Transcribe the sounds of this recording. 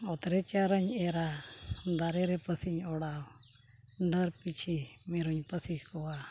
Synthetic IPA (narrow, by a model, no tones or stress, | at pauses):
ɔt̪ɾɛt͡ʃaɾəɲɛɾad̪aɾɛɾɛpəsiɲɔɽaw | ɳɖəɾpit͡ʃʰimiɾuɲpəsihkɔwa